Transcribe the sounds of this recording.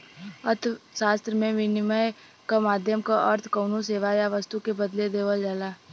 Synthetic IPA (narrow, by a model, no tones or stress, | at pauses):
əɾt̪ʰʃaːst̪ɾəmẽʋɪnɪməj | kamaːd̪ʱjəmkaʔɐɾt̪ʰkəːnoseːʋajaʋɐst̪ukebɐd̪led̪eːʋəld͡ʒaːlaː